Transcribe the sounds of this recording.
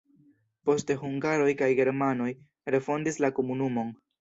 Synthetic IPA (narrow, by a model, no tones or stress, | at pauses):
po̞ste̞huŋɡaɾo̞jkajɡe̞ɾmano̞j | ɾe̞fo̞ndislako̞munumo̞n